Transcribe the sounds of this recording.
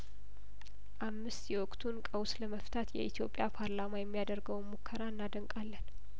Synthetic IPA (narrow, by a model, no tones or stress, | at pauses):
ʔamːɨst̪jɛwɔkʼt̪ʰunkʼəwsləməft̪ʰat̪jɛ̰ʔit̪ʰjo̞pʼjapʰaɾlamajɛmːijad̪əɾɡəwmukʰːəɾaɨnːad̪əŋkʼalːən